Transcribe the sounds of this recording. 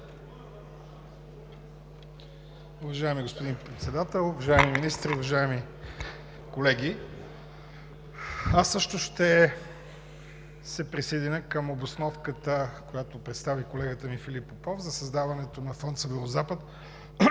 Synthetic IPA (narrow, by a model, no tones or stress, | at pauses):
ʊvɐʒaɛmiɡospod̪inpɾɛt̪sɛd̪at̪ɛlˠʊvɐʒaɛmiminist̪ɾiʊvɐʒaɛmi | kolɛɡʲi | asːɤʃt̪oʃt̪ɛ | sɛpɾisɛd̪ɛnʲəkəmobosnɔfkət̪əkojat̪opɾɛt̪st̪avikolɛɡət̪əmifilipːopɔfzɐsɐzd̪avɐnɛt̪onɐfɔnt̪səvɛɾˠozapət̪